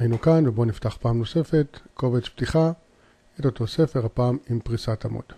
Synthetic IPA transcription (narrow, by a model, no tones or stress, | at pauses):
ajinukanvebo̞niftaχpaːmno̞se̞fe̞tko̞vet͡sptiχa | etot̪o̞se̞feʁhapaːmimpʁisatamo̰d̥̪